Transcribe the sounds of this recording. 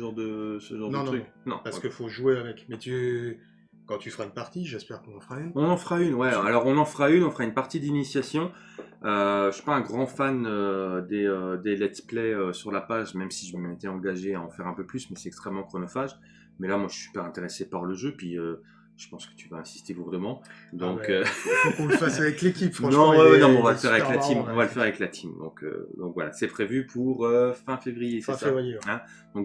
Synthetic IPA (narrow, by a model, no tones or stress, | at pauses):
əʒɑ̃ʁd̪əsəʒɑ̃ʁd̪nə̃χyk | nɔ̰̃paʁskəfoʒweavɛkmɛt̪ | kɑ̃t̪yfəʁaynpaʁt̪iʒɛspɛʁkɔ̃nɑ̃fʁaynɔ̃nɑ̃fʁaynwɛalɔʁalɔʁɔ̃nɑ̃fʁaynɔ̃fəʁaynpaʁt̪id̪linisjasjɔ̃ | øsy̥paɛ̃ɡʁɑ̃fanød̪eød̪elɛt̪plɛøsyʁlapaʒmɛmsiʒəmməet̪ɛɑ̃ɡaʒeaɑ̃fɛʁɛ̃pøplysmɛsɛt̪ɛkst̪χɛmːɑ̃kχɔnɔfaʒ | mɛlamwaʒəsysy̥pɛʁɛ̃t̪eʁesepaʁləʒøpɥiø | ʒ̥ə̥pɑ̃skə̥t̪yvaɛ̃si̥st̪eluʁd̪əmɑ̃ | d̪ɔ̃kø | fasavɛklekʲipfnɔ̃wɛwɛnɔ̃mɛɔ̃valəfɛʁavɛklat̪immɔ̃valəfɛʁavɛklat̪ʰimd̪ɔ̰̃kʰø̰d̪ɔ̃kvwala̰sɛpχevypʰuʁøfɛ̃fevʁijessavjɛ̃ | d̪ɔ̃k